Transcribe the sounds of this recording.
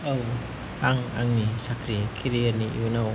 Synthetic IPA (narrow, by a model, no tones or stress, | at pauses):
ow | aŋa̰ŋnisakɾikʰiɾiəniʔḭwnaw